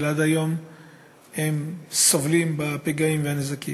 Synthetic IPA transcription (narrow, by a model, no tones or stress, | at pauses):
lad̪ajo̞m | hemsovlimbapeɡaimveanezakḭ